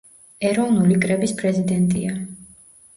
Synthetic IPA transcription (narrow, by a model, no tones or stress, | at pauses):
ɛɾɔvnulikʼɾɛbispʼɾɛzid̪ɛnt̪ʼḭa